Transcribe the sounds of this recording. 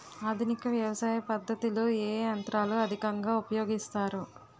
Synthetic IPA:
aːd̪ʱunikɐʋjɐʋɐsaːjɐpɐd̪ʱːɐt̪iloːeːɐnt̪ɾaːluɐd̪ʱikɐŋɡaːupɐjoːɡist̪aːɾu

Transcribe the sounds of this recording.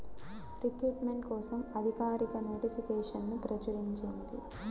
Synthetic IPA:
ɾikɾuːʈme̞ɳʈkɔːsɐmɐd̪ʱikaːɾikɐno̞ːʈipʰikɛːʂɐnːupɾɐt͡ʃɐɾiɲt͡ʃind̪ḭ

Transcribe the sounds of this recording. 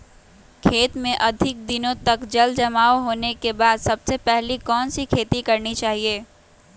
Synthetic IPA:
kʰeːt̪mẽʔɐd̪ʱɪk̚d̪ɪnõt̪ɐkd͡ʒɐld͡ʒɐmaːoɦoːnekebaːd̪sɐbsepɛɦlikɔːnsikʰeːt̪ikɐɾnit͡ʃaːɦieː

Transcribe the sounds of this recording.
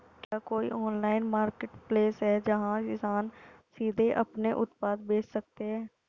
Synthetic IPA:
kjaːkoːḭʔɔːnlaːɪnmaːɾkeʈpleːsɦɛːd͡ʒəɦãɪsaːnsiːd̪ʱeʔɐ̰pneʔʊt̪paːd̪beːt͡ʃsək̚t̪eɦɛ̃ː

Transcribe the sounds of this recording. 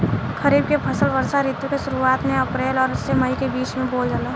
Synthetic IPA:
kəɾiːb̚kepʰəsəlʋəɾsaɾɪt̪jukeʃʊɾuaːt̪mẽɐpɾeːlɔːɾɪsːeməikebiːt͡ʃmẽboːld͡ʒalaː

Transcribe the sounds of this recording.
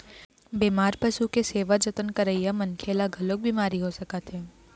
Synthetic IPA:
beːmaːɾpɐʃukeseːʋad͡ʒɐt̪ənkəɾəijamɐnkʰeːlaɡʱɐlok̚bʱimaːɾiɦosɐkat̪ɦɛː

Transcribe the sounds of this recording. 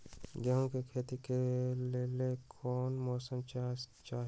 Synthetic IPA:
ɡɛːɦõkekʰeːt̪ikelɪlekʰɔːnmɔːsəmt͡ʃat͡ʃaːɦ

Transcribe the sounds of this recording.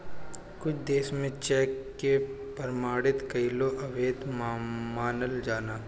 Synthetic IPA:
kʊt͡ʃʰd̪eːsmẽt͡ʃɛːkːe | pəɾmaːɽɪt̪kɐiloʔɐʋeːd̪mmaːnəld͡ʒaːnaː

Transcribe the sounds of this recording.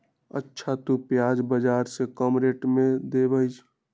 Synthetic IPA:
ə̰tːʃʰat̪upjaːd͡ʒbəd͡ʒaːɾsekəmɾeʈmẽd̪ebəjt͡ʃʰ

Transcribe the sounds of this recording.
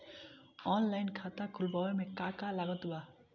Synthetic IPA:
ɔnlajnkʰat̪akʰulbʌwamekakalaɡɔt̪ba

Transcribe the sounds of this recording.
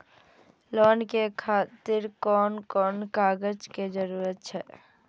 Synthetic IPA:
lɔːnkekʰaːt̪ɪɾkɔːnkɔːnkaːɡəd͡ʒked͡ʒəɾuːɾət̪̚t͡ʃʰɛː

